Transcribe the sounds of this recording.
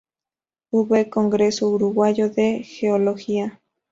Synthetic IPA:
uβekoŋɡɾesouɾuɣwajoðexeoloxia

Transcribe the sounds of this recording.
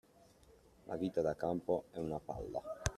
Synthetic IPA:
lʔa̰viːt̪ad̪akampoɛunapa̰lːa̰

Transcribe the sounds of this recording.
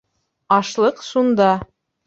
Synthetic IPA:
ɑʃlˠɤqʃund̪ɑ

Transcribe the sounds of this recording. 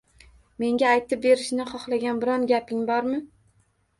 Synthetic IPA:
me̞ŋɡʲaːjt̪ʰɪp̚be̞ɾɪʃnɪχɒχlˠaɡʲanbɪɾɒnɡʲapʰɪŋbɒɾmɪ

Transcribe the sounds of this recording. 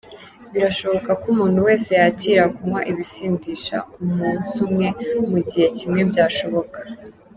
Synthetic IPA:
βiɾaʃo̞βo̞kakumuːn̥huwe̞ːse̞jaciːɾakumwa̰ʔiβisiːndiːʃa̰umuːnsumŋe̞muɟihe̞cimŋe̞bɟaːʃo̞βo̞kḁ

